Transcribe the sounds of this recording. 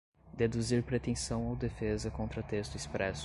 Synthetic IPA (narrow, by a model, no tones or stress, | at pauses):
d̪ed̪uziɾpɾet̪ẽsɐ̃w̃awd̪efezɐkõnt̪ɾɐt̪est̪ʊispɾɛs